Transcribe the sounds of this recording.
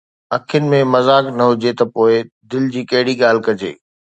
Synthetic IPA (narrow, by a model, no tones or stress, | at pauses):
ɐkʰənɪ̆mẽmɐzaːknɐɦʊd͡ʑet̪ɐpoːɪd̪ɪld͡ʑiːkɐɦɪɽiɠaːl̤ɪkɐd͡ʑḛː